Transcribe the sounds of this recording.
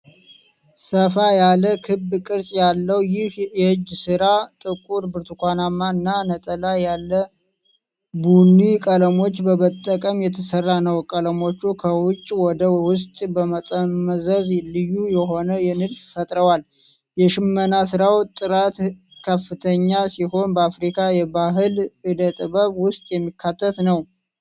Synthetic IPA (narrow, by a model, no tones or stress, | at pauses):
səfajaləkʰɨbkʼɨɾsʼjalːəwjɪhjɛhɨd͡ʒːsɨɾat̪ʼɨkʼuɾbɨɾt̪ʰukʷanamːaɨnːanət̪ʼəlajalːə | bunːikʼələmo̞t͡ʃːbəmət̪ʼːəkʼəmjɛt̪ʰəsərːanəwkʼələmo̞t͡ʃːukʰəwʊt͡ʃʼːwɔd̪əwʊs̬t̪ʼbəmət̪ʼəmːəzəzlɨjːujɛɦo̞nəjɛnɨdffət̪ʼɾəwal | jɛʃɪmːənasɨɾawt̪ʼːɨɾat̪ | kʰəfːɨt̪ʰəɲːasiho̞nbəafɾikʰajɛbaɦɨlɨd̪ət̪ʼɨbəβwʊst̪ʼjɛmːikʰːat̪ʰːət̪nəw